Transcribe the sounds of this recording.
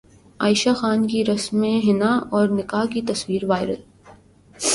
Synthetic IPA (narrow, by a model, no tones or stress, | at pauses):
aːɪʃaxaːnkiɾɐsmːẽɦɪnaɔːɾnɪkaːkit̪ɐswiːɾʋaːɪɾəl